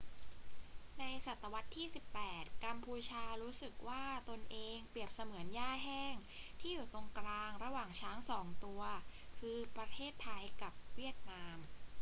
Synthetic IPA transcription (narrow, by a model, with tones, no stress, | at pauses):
na˧jsa˨˩t̪ːa˧wa˦˥t̪ʰːiː˥˩si˨˩pːɛː˨˩t̪̚ka˧mpʰuː˧t͡ɕʰaː˧ɾuː˦˥sɯ˨˩k̚waː˥˩t̪o˧nʔeː˧ŋpɾi˨˩əp̚sa˧mɯ˩˦ənjaː˥˩ɦɛː˥˩ŋ | t̪ʰiː˥˩juː˨˩t̪o˧ŋkɾaː˧ŋɾa˧waː˨˩ŋt͡ɕʰaː˦˥ŋsɔː˩˦ŋt̪u˧ɐkʰɯː˧pɾa˧t̪ʰeː˥˩t̪ʰːa˧jka˨˩p̚wi˥˩ət̪̚naː˧˥m